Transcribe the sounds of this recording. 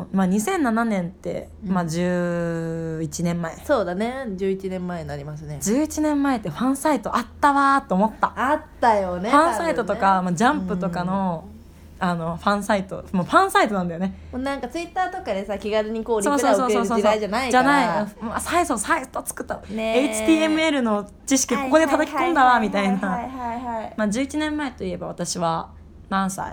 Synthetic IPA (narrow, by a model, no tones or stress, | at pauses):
maɲ̟isẽ̞nːananẽ̞nt̪ːe̞̰ | mad͡ʑɨː | it͡ɕinẽmːaesoːd̪aned͡ʑɨːit͡ɕinẽ̞mːaeɲnaɾʲimas̬ɨned͡ʑɨːit͡ɕinẽ̞mːae̞t̪ːeɸãɰ̃sait̪o̞ʔat̪ːaβat̪ːe̞omo̞t̪ːaat̪ːajoneãsait̪o̞t̪o̞kamad͡ʑãmpɯ̟t̪o̞kano̞ | ano̞ɸãɰ̃sait̪o̞̰moɸãɰ̃sait̪oãnd̪ajonemonãŋkat͡sɨit̪ːaːt̪o̞kad̪esakʲiɡaɾɯɲ̟ikoːɾsʲio̞ːssosoːoːsood͡ʑanaid͡ʑanaiomasaisosait̪ot͡sɨ̥kɯ̟̥t̪ːaeit͡ɕi̥iːemɯ̟e̞ɾɯ̟no̞ | t͡ɕiɕ̬i̥kʲikoko̞d̪et̪ad̪akʲikõ̞nd̪aβamʲit̪ainaamad͡ʑɨːit͡ɕinẽ̞mːae̞t̪o̞ie̞baβat̪aɕiβa | nãɰ̃sa̰